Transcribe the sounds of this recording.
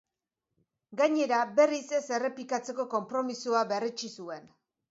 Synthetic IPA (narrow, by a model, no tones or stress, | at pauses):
ɡaɲe̞ɾabe̞rise̞se̞re̞plikat͡se̞ko̞ko̞mpɾo̞misuaβe̞ret͡ʃisue̞n